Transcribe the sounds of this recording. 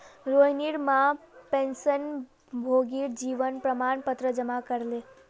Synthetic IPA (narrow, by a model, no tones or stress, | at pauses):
ɾoɦniɽmãpẽnsən | bʱoːɡiɾd͡ʒiːʋənpɾəmaːnpət̪ɾəd͡ʒəmakəɾle